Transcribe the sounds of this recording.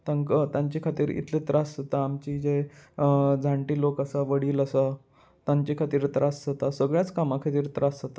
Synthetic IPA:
t̪aŋkət̪ãɲt͡ɕikʰat̪iːɾḭt̪let̪ɾʔasət̪aːmt͡ɕiːd͡ʑe | d͡zʱaɳʈiːlokasaʋəɽiːləsa | t̪aɲt͡ɕikʰat̪iːɾt̪ɾassət̪asəɡɭjat͡skamakʰat̪iːɾt̪ɾasət̪a

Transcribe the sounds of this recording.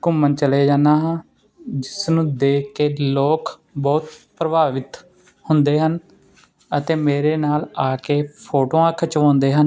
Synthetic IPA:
kʊmːənt͡ʃəleːd͡ʒaːnaːɦãː | d͡ʒɪsnũːd̪eːkːeːloːk | bɔːt̪pɾəbaːʋɪt̪ | hʊnd̪eːɦən | ət̪eːmeːɾeːnaːlaːkeːpʰoːʈoːãːkʰət͡ʃʋãːnd̪eːɦən

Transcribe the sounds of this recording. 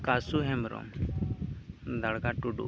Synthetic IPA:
kasuɦɛmɾɔ̰m | d̪aɽɡaʈuɖṵ

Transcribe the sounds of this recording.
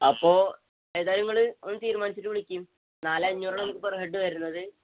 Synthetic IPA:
ɐpːo̞ː | eːðaːɾuŋːɐɭɨonːɨt̪iːɾumaːnit͡ɕːiʈːɨʋiɭikʲːum | naːleɐɲːuːrɐɳɐmːkːɨperɦeɖːɨʋɐɾunːɐðɨ

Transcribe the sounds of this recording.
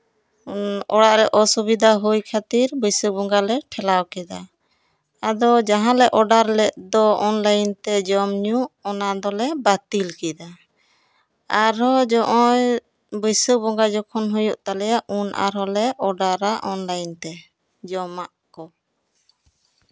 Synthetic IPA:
ɔɽaʔɾɛʔɔsubid̪ʱaɦujkʰat̪iɾbəjsək̚bɔŋɡalɛʈʰɛlawkɛd̪a | ad̪ɔd͡ʒaɦãlɛʔɔɖaɾlɛʔ̚d̪ɔɔnləjnt̪ɛd͡ʒɔmɲuʔɔnad̪ɔlɛbat̪ilkɛd̪a | aɾɔd͡ʒɔʔɔj | bəjsək̚bɔŋɡad͡ʒɔkʰɔnɦujuʔt̪alɛjaʔʔunʔa̰ɾɔlɛʔɔɖaɾaʔɔnlajnt̪ɛ | d͡ʒɔmaʔkɔ

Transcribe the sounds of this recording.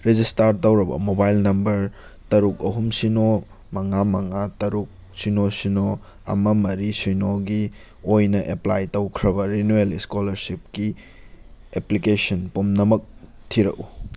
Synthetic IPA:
ɾed͡ʒistaɾtɐwɾɐbɐ̰mobajlnɐmbɐɾtɐɾuk̚ɐɦumsino | mɐŋamɐŋatɐɾuk̚ | sinosino | ɐ̰mɐmɐɾisijnoɡi | ojnɐʔeplajtowkʰɾɐbɐɾinueliskolɐɾsip̚ki | eplikesɐnpumnɐmɐk̚ | tʰiɾɐ̰ku

